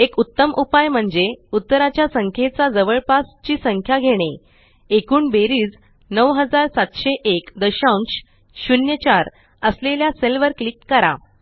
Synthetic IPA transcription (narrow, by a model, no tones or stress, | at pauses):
ekut̪ːəmʔupajm̤əɳd͡zeut̪ːəɾat͡ɕjasəŋkʰet͡sad͡zəʋəɭpast͡ɕiːsəŋkʰjaɡʱeɽ̃e | ekuːnbeɾiːd͡z | nəʋɦəd͡zaɾsat̪ɕeʔekd̪əɕauɳɕ | ɕunjət͡ɕaɾ | əsleljaselʋəɾklikːəɾa̰